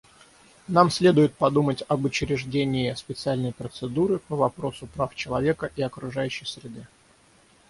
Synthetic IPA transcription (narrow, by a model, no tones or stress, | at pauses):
namsʲlʲe̞d̪ʊjɪt̪̚pɐd̪umətʲɐbʊt͡ɕɪɾʲɪʐdʲenʲɪɪspʲɪt̪sɨalʲnəjpɾət̪sɨd̪uɾɨpəvɐpɾo̞sʊpɾaft͡ɕɪlˠɐvʲe̞kəʔiɐkɾʊʐajʉɕːɪjsɾʲɪd̪ɨ